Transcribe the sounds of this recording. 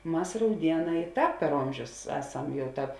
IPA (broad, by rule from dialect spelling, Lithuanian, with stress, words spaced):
ˈmɐs rɐʊˈdʲiɛˌnɑː ɪ ˈtɑːp pʲɛr ˈoːmʲʒʲʊs ˈæːˌsɐm ˈjɛʊ ˈtɑːp